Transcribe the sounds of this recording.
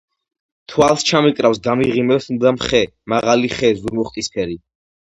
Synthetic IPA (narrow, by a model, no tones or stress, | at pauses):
t̪ʰwalˠst͡ʃʰamikʼɾafsɡ̪amiʁimɛsumd̪amχɛ | maʁaliχɛːzuɾmɔχt̪ʼispʰɛɾi